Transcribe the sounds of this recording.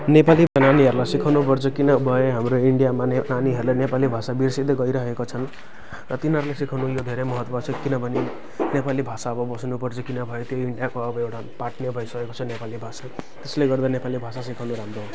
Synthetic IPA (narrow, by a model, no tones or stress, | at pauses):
nepalibnaniɦʌɾulajsikʰawnup̬ʌrt͡sʰʌkinʌbʱʌeɦamɾoiɳɖijamananiɦʌɾulanepalibʱasabiɾsid̪eɡʌjɾʌɦekot͡sʰʌn | rʌt̪inɦʌɾulesikʰawnujod̪ʱeɾemʌɦʌt̪wʌt͡sʰʌkinʌbʌni | nepalibʱasaʌbʌbʌsnupʌrt͡sʰʌkinʌbʱʌjet̪joiɳɖijakoʌbʌewʈapaʈʰnjebʱʌjsʌkekot͡sʰʌnepalibʱasat̪esleɡʌrd̪anepalibʱasasikʰawnuɾamɾoɦ